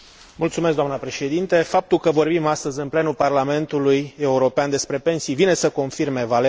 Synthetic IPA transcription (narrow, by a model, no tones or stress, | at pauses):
mult̪sumeskd̪oamnəpɾe̞ʃe̞d̪int̪e̞fap̚t̪ulkəvo̞rbimast̪əzʲɨnple̞nuparlame̞nt̪uluje̞uɾo̞peand̪e̞spɾe̞pe̞nsijvine̞səko̞nfirme̞vale